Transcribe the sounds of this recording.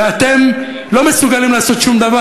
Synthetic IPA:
at̪e̞m | lo̞me̞suɡalimlaːso̞t̪ʃumd̪ava

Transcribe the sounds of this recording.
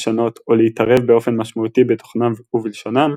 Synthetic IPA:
ʃano̞t̪ʰo̞leitaʁe̞vbeo̞fe̞nmaʃmautibeto̥χnamvuvilʃonam

